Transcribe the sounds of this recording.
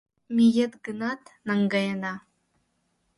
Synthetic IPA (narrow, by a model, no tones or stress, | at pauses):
mijedɡɨnatʰnaŋɡajana